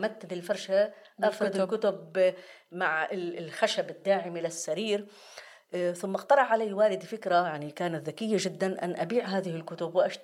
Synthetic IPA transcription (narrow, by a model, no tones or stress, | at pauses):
mat̪ːɪd̪ɪlfɑɾˤʃaʔafɾˤɑd̪ɪkʊt̪ʊb | maʕɪlxaʃabɪd̪ːaːʕɪmilɪsːaɾiːɾ | θʊmːqt̪ɑɾˤɑʕʕalaːwaːlɪd̪fɪkɾajaʕnikaːnat̪ðakɪjːaʒɪd̪ːanʔa̰nːʔabiːʕɦaːðɪhɪlkʊt̪ʊbwʔaʃ